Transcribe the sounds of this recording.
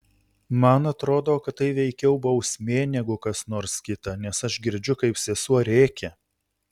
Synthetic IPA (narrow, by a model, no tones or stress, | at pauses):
mɐnɐt̪ɾoːd̪oːkɐt̪̚tːɐɪʋʲɛɪkʲɛʊbɒʊsʲmʲeːnʲɛɡʊkɐsnoːɾskʲɪt̪ɐnʲɛsɐʃɡʲɪɾʲd͡ʒʲʊkɐɪpsʲɛsuɔɾʲeːkʲɛ